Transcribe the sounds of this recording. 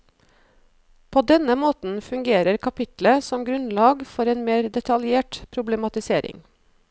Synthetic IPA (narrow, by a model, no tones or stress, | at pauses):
pʰoːd̪ɛnəmoːt̪n̩fʉŋɡeːɾəɾkʰɑpʰɪt̪ləsɔmɡɾʉnlɑːɡfɔɾeːnmeːɾd̪ɛt̪ʰɑljeːʈpʰɾʊblɛmɑt̪ɪseːɾɪ̰ŋ